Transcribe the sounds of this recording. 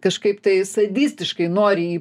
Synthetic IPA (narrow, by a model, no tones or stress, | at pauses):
kɐʃkɐɪpt̪ɐɪsɐd̪ʲisʲt̪ʲɪʃkɐɪnoːɾʲɪiː